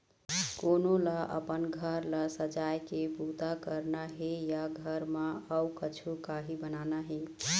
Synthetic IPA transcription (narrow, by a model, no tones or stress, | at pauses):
konolaʔə̰pənɡʱəɾlasəd͡ʒajkebut̪akəɾnaɦejaɡʱəɾmaəwkət͡ʃʰukaɦibənanaɦe